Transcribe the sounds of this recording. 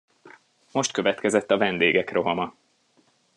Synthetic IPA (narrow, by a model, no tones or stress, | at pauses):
mo̞ʃt̪̚kø̞vɛt̪kɛzɛt̪ːɒvɛnd̪eːɡɛkro̞ɦɒmɒ